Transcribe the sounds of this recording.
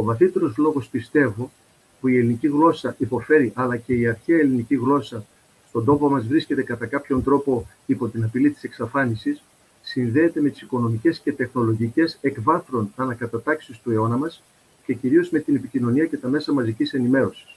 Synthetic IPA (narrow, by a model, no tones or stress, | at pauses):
o̞vɐθit̪e̞ɾo̞zlo̞ɣo̞spist̪e̞vo | puie̞liniciɣlo̞sɐʔipo̞fe̞ɾiʔɐlɐce̞iɐɾçeɐeliniciɣlo̞sɐ | st̪o̞nd̪o̞po̞mɐzvɾisce̞t̪e̞kɐt̪ɐkɐpço̞nd̪ɾo̞po̞ | ipo̞t̪inɐpilit̪i̥se̞ksɐfɐnisisː | inðe̞ːt̪e̞me̞t̪i̥siko̞no̞mice̞sce̞t̪e̞xno̞lo̞ʝice̞se̞kvɐθɾo̞nɐnɐkɐt̪ɐt̪ɐksist̪ue̞o̞nɐmɐs | ce̞ciɾio̞zme̞t̪ine̞picino̞niɐce̞t̪ɐme̞sɐmɐzicise̞nime̞ɾo̞si̥s